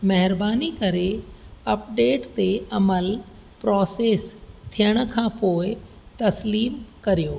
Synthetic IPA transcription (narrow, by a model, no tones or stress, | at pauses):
mɐɦɪɾbaːnikɐɾeɐpɖeːʈt̪eɐməl | pɾɔːseːst̪ʰijəɽ̃ʊ̆kʰãːpoːɪ | t̪ɐsliːmkɐɾijoː